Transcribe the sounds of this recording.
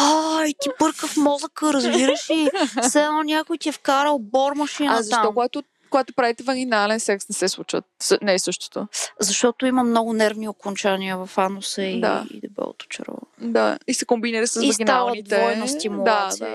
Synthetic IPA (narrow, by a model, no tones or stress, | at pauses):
ait̪ipɤɾkəfmɔzəkəɾɐzbiɾəʃisɛɛnɔnʲakʊjt̪iɛfkaɾəlˠbɔɾmɐʃinɐzɐt̪ʃat̪ɔkkoɡat̪o | koɡat̪opɾavit̪ɛvɐɡinalɛnsɛksnɛsɛslˠut͡ʃvə̰t̪sənɛsɤʃt̪o̥t̪o̰zɐʃt̪ɔt̪oimɐmnɔɡʊnɛɾvniokont͡ʃaniəvɐfanosəid̪a̰ḭd̪ɛbɛ̰l̰ˠt̪o̥t͡ʃɛ̰ɾɔ̰d̪a̰isɛkombiniɾəsɐsivɐɡʲinaət̪ivt̪ɛɔɛnost̪imuld̪a̰